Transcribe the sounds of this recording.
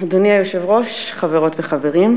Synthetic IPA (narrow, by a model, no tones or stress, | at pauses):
doniajoʃevʁoʃ | χaveʁo̞tveχaveʁim